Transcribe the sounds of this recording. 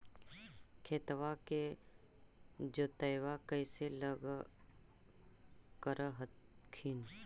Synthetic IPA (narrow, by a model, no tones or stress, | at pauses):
kʰeːt̪ʋake | d͡ʒoːt̪əɪwakəɪseləɡ | kəɾəɦ̪kʰiːn